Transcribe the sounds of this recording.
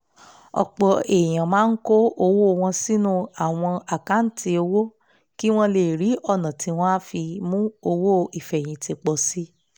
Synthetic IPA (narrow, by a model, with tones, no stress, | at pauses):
ɔ̰˨k͡pɔ˨˧e˨j̃ã˨mãː˨˦n̩˦ko˦o˧wo˦˨˧w̃ɔ̃˧si˦nũ˦a˨w̃ɔ̃˧a˨ka˨˦n̩˦tʰi˧o˧wo˦ | ki˦w̃ɔ̃˦le˦˨ɾi˨˦ɔ˦˨nã˨ti˨˧w̃ɔ̃˦a˦fi˧mũ˦o˧wo˦˨i˨fɛ˨j̃ĩ˨ti˧k͡pɔ˧˨si˦